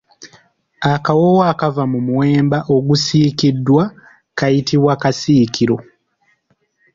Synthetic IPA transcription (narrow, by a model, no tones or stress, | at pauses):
akawowakavamumuwe̞ːmbaʔo̞ɡusiːkidːwa | kajitiβwakasiːkiɾo̞